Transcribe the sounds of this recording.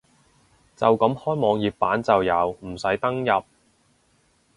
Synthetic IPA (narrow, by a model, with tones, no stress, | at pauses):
t͡sɐ˨wkɐ˨˥mhɔː˥jmɔː˨˧ŋjiː˨p̚pːaː˨˥nt͡sɐ˨wjɐ˨˧wm̩˨˩sɐ˨˥jt̪ɐ˥ŋjɐ˨p̚